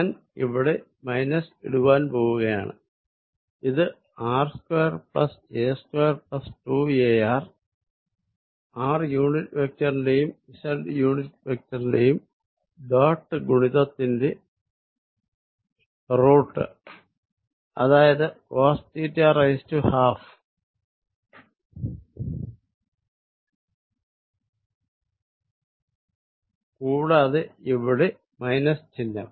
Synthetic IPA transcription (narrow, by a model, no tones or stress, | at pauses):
an | iʋiɽe̞ | mɐjnɐsḭɽuʋaːnpo̞ːɣuɣɐja̰ːɳɨ̰ | iðɨ | aːrskwojɐrpɭɐ̰seːskwejɐrpɭɐsʈueaːr | aːrjuːɳitːʋek̚tɐrnle̞jumisɐlɖɨjuːɳitʋek̚tɐrinle̞jum | ɖaːʈːɨɡuɳiðɐt̪ːinde̞ | roːʈːɨ̰ | ɐ̰ðaːjɐðɨaːstiːtːɐɐrɐjstuhaːf | kuːɽaːðeiʋiɽe | mɐjnɐst͡ɕinːɐ̰m